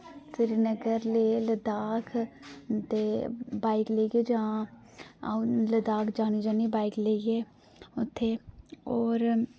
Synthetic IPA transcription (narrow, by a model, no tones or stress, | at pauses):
sɪɾinəɡəɾleːləd̪aːkʰt̪eːbaːikleːɡeːd͡ʒaː | ləd̪aːkʰd͡ʒaːniːd͡ʒaːniːbaːikleːɡeː | ʊt̪ʰːeːɔːɾ